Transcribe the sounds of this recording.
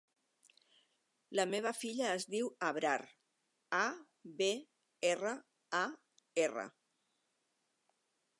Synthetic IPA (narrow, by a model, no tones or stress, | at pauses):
ləmeβ̞əfiʎəːzðiwəβɾar | a | βe | erə | a | erə̰